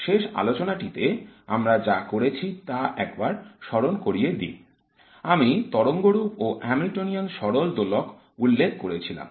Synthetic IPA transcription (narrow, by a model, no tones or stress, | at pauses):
ʃeʃa̰lot͡ɕonaʈit̪eamɾad͡ʑakoɾet͡ɕʰit̪aʔɛk̚baɾʃɔɾonkoɾied̪ḭ | amit̪ɔɽoŋɡoɾupoʔɛmɾiʈonionʃɔɾold̪olok | ulːekkoɾet͡ɕʰila̰m